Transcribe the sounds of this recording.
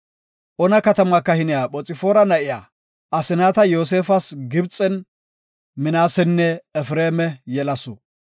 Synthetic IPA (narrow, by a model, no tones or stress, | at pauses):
ʔɔnɐkɐt̪ɐmɐkːɐhɪnɪjaːɓɔt͡sʼɪfoːɾɐnɐʔɪja̰ː | ʔɐsɪnaːt̪ɐjo̞ːs̬e̞ːfɐsɡɪbt͡sʼːɛn | mɪnaːsɛnːɛːfɾeːmɛjɛlɐsʊ̰